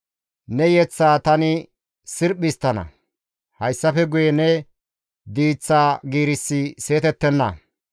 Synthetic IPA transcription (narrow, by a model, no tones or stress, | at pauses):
nɛjɛt͡sːaːt̪ɐnɪ | sɪɾɓɪst̪ːɐnɐ̰ | hɐjsːɐfɛɡʊjɛnɛ | d̪iːt͡sːaːɡiːɾɪsːɪse̞ːt̪ɛt̪ːɛnːɐ̰